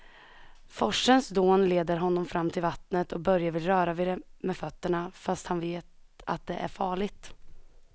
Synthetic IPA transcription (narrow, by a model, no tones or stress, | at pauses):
fɔʂənsd̪oːnleːd̪əɾɦɔnːɔmfɾamːt̪ʰɪlvat̪nət̪ʰɔk̚bœɾjavɪlɾœːɾavɪd̪ɛmɛfœt̪ːəɳafast̪hanveːt̪a̰t̪̚d̪ɛʔæ̰ɾfɑːɭɪɡ̚t̪